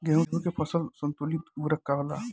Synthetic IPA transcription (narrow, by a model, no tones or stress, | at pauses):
ɡɛɦd̪ekepʰəsəlsənt̪ulit̪uɾəkːaʋla̰